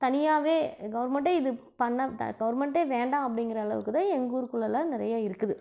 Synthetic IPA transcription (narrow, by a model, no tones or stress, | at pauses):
t̪ɐnɪjaːʋeːɡɐʋɐɾmɛɳʈeːɪðɯ | pɐɳːɐt̪ɐ̰ɡɐʋɐɾmɛɳʈeːʋeːɳɖãːɐpːɐɽɪŋɡɪɾɐɐɭɐ̰ʋɯkːɯðãːɛŋɡuːɾɯkɯɭːɐlanɪɾɐjaːɪɾɯkːɯðɯ